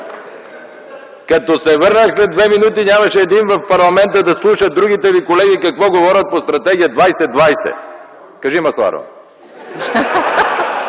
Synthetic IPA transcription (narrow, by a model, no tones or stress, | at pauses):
kɐt̪ɔsɛvɤɾnəxslɛd̪̚vɛminut̪inʲamɐʃɛːd̪invɐfpɐɾlˠɐmɛnt̪əd̪ɐslˠuʃəd̪̚ɾuɡ̟it̪ɛvikolɛɡikɐkvɔɡovɔɾʲət̪̚post̪ɾɐt̪ɛɡ̟ijəd̪vajsɛd̪vajsɛ̰ | kɐʒimɐslˠa̰ɾo̰